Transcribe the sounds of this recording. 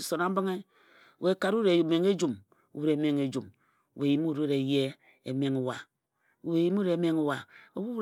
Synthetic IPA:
so˨na˦m̩˦bi˦ŋe˦˨ | we˨˦ka˨ɾu˦ɾe˨me˨ŋe˦d͡ʒu˨m | ṵ˨wɾe˨˦me˨ŋe˨d͡ʒu˨m˨ | we˨ji˨mu˦˨ɾu˦ɾe˨je˦ | ḛ˨me˨ŋu˨wa˨ | u˨we˨ji˦mu˦ɾe˨˦me˦ŋu˨wa˨o˨wu˦

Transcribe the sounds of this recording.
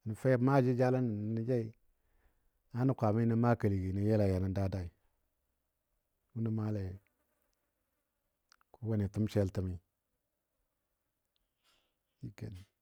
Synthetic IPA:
ni˨fe˦ma˦˨d͡ʒi˦d͡ʒa˦la˦n˨ni˨d͡ʒa˦i˦ | a˦nu˦kʷa˨ma˦na˦ma˦kə˨li˨ɡi˨ni˨je˦la˨ja˨na˨da˦da˦i˨ | wu˦na˦ma˦le˨ | ku˦wa˦ni˨tu˦mʃe˦ltə˨mi˦ | i˦ɡḛ˨ni˨

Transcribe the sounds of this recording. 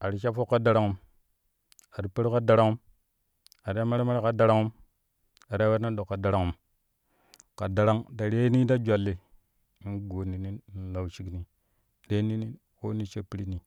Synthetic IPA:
a˨ɾi˦ʃa˦fo˦kːa˦da˨ɾa˦ŋu˦m | a˨ɾi˦pe˦ɾka˦da˨ɾa˦ŋu˦m | a˨ɾi˦a˦ma˦ɾe˦ma˦ɾe˦ka˦da˨ɾa˦ŋu˦m | a˨ɾa˦wa˦na˦ɗo˨kːa˨da˨ɾa˦ŋu˦m | ka˨da˨ɾa˦ŋda˨ɾe˦ni˦da˦d͡ʒa˨lːe˨˦ | ɡo˨ni˨ni˦n˦la˨wt͡ʃi˦kni˦ | ɗe˦ni˦ni˦ | ko˦ni˦t͡ʃe˦pi˦ɾi˦ni˨

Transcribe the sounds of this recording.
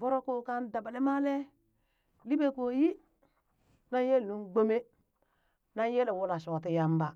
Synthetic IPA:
vo˦ɾo˦ko˦ka˦nda˨ba˨le˦ma˦le˦ | li˦be˦ko˨ji˦ | na˦nje˦lnu˦nɡ͡bo˦me˦ | na˦n˦je˦le˨wu˦la˨ʃo˨wa˨ti˦ja˦mba˨

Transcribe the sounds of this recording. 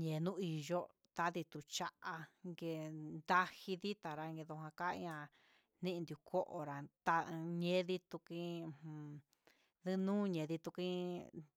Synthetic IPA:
ɲẽ˨˧nũ˦i˨ʒo˦ | t̪a˧ði˧t̪u˧t͡ʃa˧ʔa˧ŋɡe˧nd̪a˦hi˧ði˦t̪a˨ɾa˧ŋɡe˧ðo˧hã˧ka˦ḭ˧ɲã˧ | nĩ˦ʔnd̪u˧kʰo˦ʔo̰˨ɾa˨t̪a˧ɲẽ˦ði˦t̪u˧kĩ˧˦˧hũ˧˨ | ðɨ˦nũː˦ɲẽ˨˧ði˧t̪u˧kĩ˦

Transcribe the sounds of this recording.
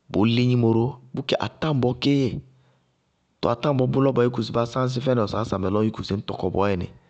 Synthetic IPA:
bo˨˦le˦ɲi˦mo˨ɾo˦bu˦ke˦ʔa̰˨tã˦˨m˦bɔ˧˦ke˦je˨ | tʊ̰˨a˨tã˦m˦bɔ˨˦bʊ˦lɔ˦bɔ˨˦i˦ku˨s̬i˨ba˦sã˦n˦s̬ɪ˦fɛ˦nɛ˨ɔ˨saː˨˦sa˨mɛ˨lɔ˦i˦ku˨si˨n̩˦tɔ˨kɔ˨bɔ˨˦ɛ˨nɛ̰˨

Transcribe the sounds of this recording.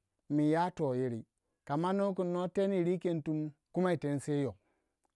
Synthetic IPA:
mi˨ja˦to˨je˨ɾi˨ | ka˨ma˦no˦k̬u˨nːo˦te˦ni˨ɾi˦ke˦ntu˦mku˦ma˦i˨te˨n˦se˦jo˨

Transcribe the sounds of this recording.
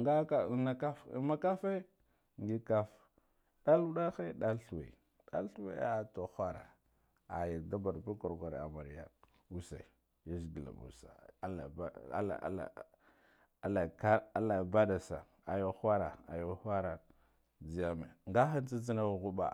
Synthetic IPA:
ŋɡa˦ka˦˨na˦ka˦fma˦ka˦fe˦ | ŋɡi˦ka˦f | ɗa˦lu˦ɗa˦xe˦ɗa˦lɬu˨wḛ˨ | ɗa̰˦lɬu˦wḛ˦a˦˨to˨xʷa˦ɾa̰˨ | a̰˨ja˨da˦ba˨ɾbu˦ko˨ɾɡʷa˨ɾ̰a̰˨ma˨ɾi˨ja˦ | u˦sa̰˨i˨ | ja˦zɡi˨la̰˨mṵ˨sa̰˨a˦la̰˨˦a̰˦a̰˨˦la̰˨ | a˨la˨ka˦a˦la˨ba˦da˨sa˨ | a˨jo˨xʷa˦ɾa˨a˨jo˦xʷa˦ɾa˨ | d͡zi˨ja˦˨mḛ˨ŋɡa˦xa˦nt͡si˦d͡zi˦na˦˨ɣu˦ba̰˨

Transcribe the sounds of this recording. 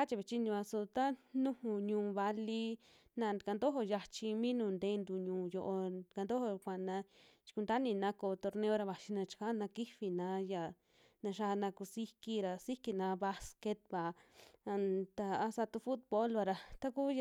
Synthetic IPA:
a˦t͡ʃi˧βe˧˨t͡ʃi˦nĩ˧βa˧so˧t̪a˦nũ˦hũ˧ɲũː˧βa˧li˧ | nã˧ka˧nd̪o˦ɦo˧ja˧t͡ʃi˧mĩ˦nũ˧˨nd̪eː˧˦nd̪u˧˨ɲũː˨jo˧ʔo˧ka˧nd̪o˦ho˧kʷa˨nã˧t͡ʃi̥˧ku˧nd̪a˦nĩ˧nã˧˦ko˧˨t̪o˧ɾnẽ˧˦o˦˧ɾa˧βa˨ʃi˧nã˧t͡ʃi̥˧ka˦nã˧ki˦fi˧nã˧˦ja˨ | nã˧ʃa˧nã˧ku˧si˦ki˧ɾa˧si˦ki˧nã˧βa˦˧ske˧t̪̚βa˨˧ | t̪a˧a˧˦sa˧t̪u˧fu˦t̪̚bo˦lβa˧ɾa˧t̪a˦ku˦˧

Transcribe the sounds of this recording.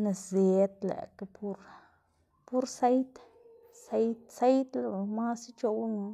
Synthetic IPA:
na˧sze˨t̪lḛ˨ka˧pu˧ɾ | pu˦ɾse˦jt̪ | se˦jt̪̚se˦jt̪la˧˨˧ma˦si˦t͡ʃo˧wno˧

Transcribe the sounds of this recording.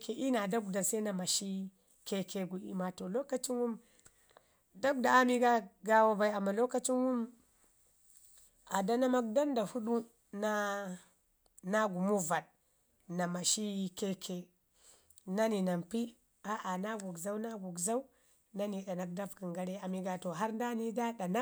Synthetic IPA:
ke˨ʔi˦na˨da˦ɡ̚da˨nsa˦na˨ma˨ʃi˦ | ke˦kʰe˨ɡu˨ḭ˦ma˨to˨lo˦ka˦t͡ʃi˦nwu˦m | da˦k̚da˨a˦mi˦ɡa˦ɡa˦wa˦ba˨i˨a˨mːa˨lo˦ka˦t͡ʃi˦nwu˦m | a˨da˦na˦ma˦k̚da˦nda˨hu˦ɗu˦ | na˦ | na˦ɡu˨mu˦va˨d̚ | na˨ma˨ʃi˦ke˦kʰe˨ | na˦ni˨na˨mpi˦ | a˦ʔa˨na˦ɡu˨ɡza˦wna˦ɡu˨kza˦u˦ | na˦ni˨˦ɗa˨na˨k̚da˦fki˨ŋɡa˦ɾe˦a˨mi˨ɡa˨to˨ɦa˦ɾn˦da˦ni˦da˦ɗa˨na˦

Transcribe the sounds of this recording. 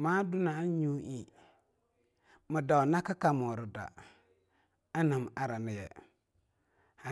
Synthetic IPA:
maː˦dʊ˦na˨˦ɲu˦ʔi˦˨ | mʊ˨da˨na˦ka˦ka˨mɔː˨ɾɪ˨da̰˨ | a˦na˨m˨a˦ɾa˨nɪ˨jɛ̰˨ | ha˨

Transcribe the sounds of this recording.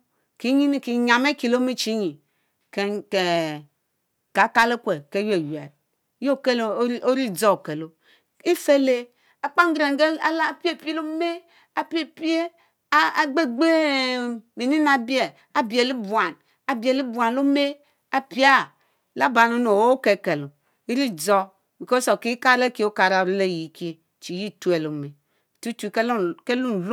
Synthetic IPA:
ki˨˦ɲi˦ni˨ki˨ɲa˨me˦ki˨lo˦me˦t͡ʃi˦ɲi˨ | ke˨ke˨ | ka˨˦ka˦le˦kʷe˨ke˨˦je˨jḛ˨ɾ̚ | jo˦˨ke˦lo˦ɾi˦˨d͡zo˦˨ke˨lo˦ | i˦fe˦le˦ | a˨k͡pa˦ŋ˦ɡɾe˨ŋ˨ɡe˦a˦la˦˨pi˦e˦pi˦lo˦me˦ | a˨pi˦e˦pi˦e˦˨ | ɡ͡be˦ɡ͡be˦ | mi˨ni˦na˨bi˦e˨ | a˨bi˨e˨li˦bu˨a˨n | a˨bi˨e˨li˦bu˨a˨n˨lo˦me˦ | a˨pi˦a˦ | la˦ba˨no˦no˨o˦ke˨ke˨lo˨ | i˦ɾi˦d͡zo˦ | bi˨ko˦so˨ki˦ka˦ɾe˦ki˦o˦ka˨ɾa˨ɾi˦le˦˨ji˨˦˨ki˦e˦ | t͡ʃi˨ji˦˨tu˦e˨lo˨me˨ | tu˦t͡ʃu˨ke˦lke˦lu˦n˨l

